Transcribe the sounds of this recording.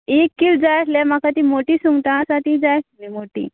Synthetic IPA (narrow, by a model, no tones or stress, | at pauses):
ekːild͡zajʈʰlam̤akat̪iːmoʈiːsuŋɡʈ̪ãsaʈ̪id͡zajʈmimoʈḭː